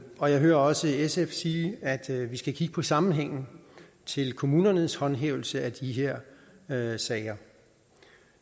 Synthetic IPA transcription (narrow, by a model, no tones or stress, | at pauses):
ɒ̽jɑ̈ɪɦøːɐɒ̽səesefsiːæd̥ʋisɡ̥ækʰiɡ̥əpʰɒ̽sɑ̈mn̩ɦeŋ̰n̩ | t͡sʰe̝lkʰo̝muːnɐnəshɒ̽nɦḛːʊl̩səæd̥iɦeɐ̰ | sɛɪɐ